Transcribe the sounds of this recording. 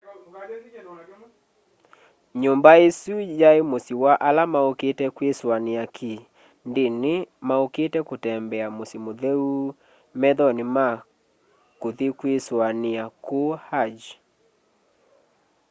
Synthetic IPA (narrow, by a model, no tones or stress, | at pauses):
ɲombaesujaemosiwaʔalamaoketɛkweswaniakʰi | ndenemaoketɛkotɛmbɛamosimoðɛu | mɛðɔnima | koðikweswaniakohad͡ʒ